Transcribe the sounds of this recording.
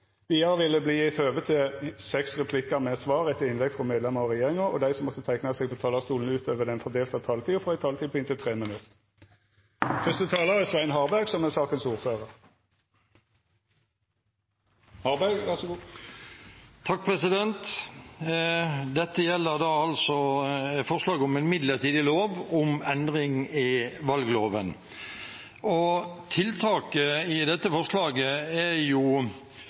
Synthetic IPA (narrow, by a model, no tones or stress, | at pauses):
ʋiːɑʁəʋɪlːəbliːɪtøːʋət̪ʰɪsɛksʁɛpʰlɪkəmɛsʋɑːʁɛt̪ʰːəɪnlɛɡfʁɔmeːd̪lɛməʁɔʁɛjeːʁɪŋəɔ̰d̪æɪsɔmːɔt̪ːət̪ʰæɪknəsɛːɡ̚pʰɔt̪ʰɑːlɑst̪uːln̩ʉːt̪ʰøːʋəd̪ɛnfɔʁd̪eːlt̪ɑt̪ʰɑːlt̪ʰiːʊfʁæɪt̪ʰɑːlt̪iːpʰɔɪnt̪ət̪ʰʁeːmənʉt̪ə | fʏst̪ət̪ʰɑːləʁɪsʋæɪnɦɑːʁbæʁɡsɔmæsɑːkənsuːʁføːʁəʁ | hɑʁbæɡʋæʁsɡ | t̪ʰɑk̚pʰʁɛsɪd̪ɛnt̪ | d̪ɛt̪ːəjɛlːəʁd̪ɑːɑlsɔfɔʁslɑːɡɔmɛnmɪd̪ləʁt̪ʰiːd̪ɪloːʋɔmɛnd̪ʁɪŋɪʋɑlɡloːʋən | ɔt̪ʰɪlt̪ʰɑːkəɪd̪ɛt̪ːəfɔʁslɑːɡəɛjʊ